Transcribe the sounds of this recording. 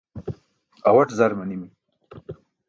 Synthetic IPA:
awɐʈzaɾmɐnimi

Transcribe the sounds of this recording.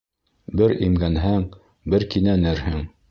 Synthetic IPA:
bɘɾimɡænɦæŋ | bɘɾkinænɘɾhɘŋ

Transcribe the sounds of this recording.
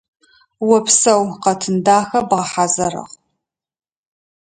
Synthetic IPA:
wɐpsɐwqɐtʰɨndaːxɐbʁɐħazɐrɐ̰ʁ

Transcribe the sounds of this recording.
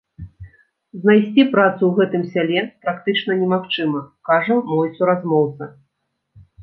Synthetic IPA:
znajsʲt͡sʲipɾat̪suwɣɛt̪ɨmsʲalʲɛpɾakt̪ɨt͡ʂnɐnʲɛmaxt͡ʂɨmɐkaʐɐmɔjsuɾazmɔwt̪sɐ

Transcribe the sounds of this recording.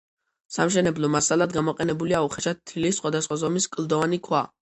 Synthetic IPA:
samʃɛnɛblˠɔmasalˠad̪ɡamɔqʼɛnɛbuliauχɛʃatt̪ʰːilisχwad̪asχwazɔmiskʼlˠd̪ɔvanikʰwa

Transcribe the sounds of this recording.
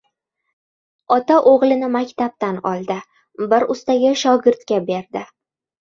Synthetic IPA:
ɒt̪aʔoʁlˠɪnɪmakʲt̪ab̚t̪anɒlˠd̪ɪ | bɪɾʊst̪aɡʲaʃɒɡʲɪɾt̪kʲabe̞ɾd̪ɪ

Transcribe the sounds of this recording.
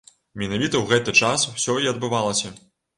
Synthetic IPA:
mʲɛnavʲit̪ɐwɣɛt̪ɨt͡ʂaswsʲɔiɐd̪̚bɨvalˠɐsʲɐ

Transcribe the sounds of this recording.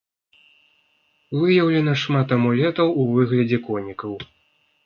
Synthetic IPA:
vɨjɐwlʲɛnɐʂmat̪ɐmɔlʲɛt̪ɐwuvɨɣlʲɐd͡zʲɛkɔnʲikɐw

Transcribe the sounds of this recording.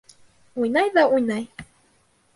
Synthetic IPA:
ujnajðaujnaj

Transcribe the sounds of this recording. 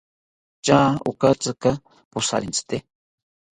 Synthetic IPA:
t͡ʃaṵkat͡sɨka | pusa̰ɾint͡sɨ̥t̪e

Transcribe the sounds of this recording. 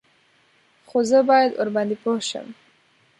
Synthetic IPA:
xozəbɑjad̪o̰ɾband̪ipohʃə̰m

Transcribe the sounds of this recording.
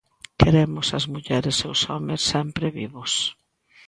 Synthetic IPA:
keɾemʊsɐzmuʎɛɾesewsɔmesːɛmpɾɪβiβʊs

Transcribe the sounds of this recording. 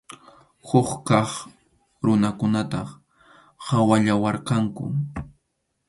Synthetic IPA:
hʊχkɑχ | ɾʊnakʊnat̪ɑ | hawaʎawɑɾqɑŋkʊ̰

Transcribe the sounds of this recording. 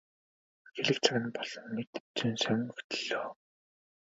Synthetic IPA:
xeɮɘ̆kt͡sʰaɣʲɘ̆npɔɮ̥ɞ̆nːet̪ɘt͡suːnsæŋŋ̆ɵxʰt̪̆ɮ̥oː

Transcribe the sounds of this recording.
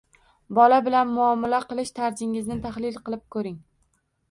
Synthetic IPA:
bɒlabɪlanmʊɒmːalaqɨlˠɪʃt̪ʰaɾd͡ʒɪŋɪznɪt̪ʰahlɪlqɨlˠɪp̚kʰɵɾɪŋ

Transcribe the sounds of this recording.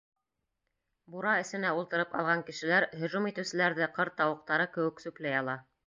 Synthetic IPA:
buɾɑɘ̆sɘ̆næulˠt̪ɤ̆ɾɤpɑ̰lˠʁɑŋkɘ̆ʃɘ̆læɾɦɵ̆ʒumit̪ɘ̆wsɘ̆læɾðɘqɤɾt̪ːɑwɤ̆q̚t̪ɑɾɤkɘ̆wɘ̆ksɵ̆klæjɑlˠɑ

